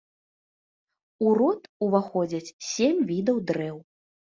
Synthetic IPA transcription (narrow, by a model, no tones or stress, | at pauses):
uɾɔt̪uvaxɔd͡zʲɐt͡sʲsʲemʲvʲid̪ɐwd̪ɾɛw